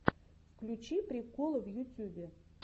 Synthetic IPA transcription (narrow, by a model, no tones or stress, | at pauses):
fklʲut͡ɕipɾʲɪkolˠəvjʊtʲubʲɪ